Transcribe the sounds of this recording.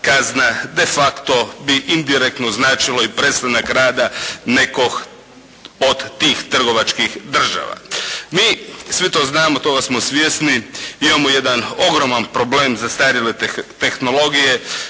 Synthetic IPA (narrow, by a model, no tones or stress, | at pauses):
kaznad̪e̞fakt̪obiʔind̪iɾek̚t̪noznaːt͡ʃilo̞ipɾet̪st̪anakɾaːd̪ane̞kox | od̪t̪iːxt̪r̩ɡo̞ʋat͡ʃkixd̪r̩ʒa̰ʋa̰miːsʋit̪o̞ːznaːmot̪o̞ɡasmosʋjesniimamoje̞d̪ano̞ɡɾomanpɾo̞bleːmzast̪aɾilet̪e̞xno̞lo̞ɡije̞